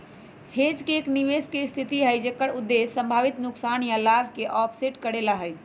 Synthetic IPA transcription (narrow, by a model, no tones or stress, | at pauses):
hed͡ʒkeːkniʋeskest̪ʰit̪iɦəjd͡ʒekəɽud̪ːesːə̃mbʱaʋit̪nuksanjalabʱkeʔɔpʰseʈkəɽelaɦəjt͡ʃʰ